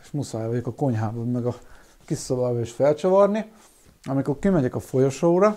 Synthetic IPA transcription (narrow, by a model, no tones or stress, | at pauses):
eʃmusaːjvɒɟokɒko̞ɲɦaːbommɛɡɒ | kisobaːʋɒeːʃfɛlt͡ʃɒvɒrni | ɒmikorkimɛɟɛkɒfo̞jo̞ʃoːɾɒ